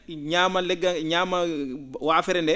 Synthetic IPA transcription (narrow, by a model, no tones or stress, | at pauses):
ɲaːmalɛɡːaɲaːmawaːfɛɾɛndɛ